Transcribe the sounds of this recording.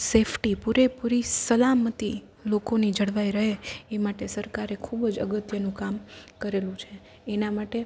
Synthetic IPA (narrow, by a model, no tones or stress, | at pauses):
sepʰʈipuɾepuɾisəlamət̪i | lokonid͡ʒəɽʋaiɾəɦeemaʈesəɾkaɾekʰubd͡ʒə̰ɡət̪jənũkamkəɾelũt͡ʃʰeː | namaʈe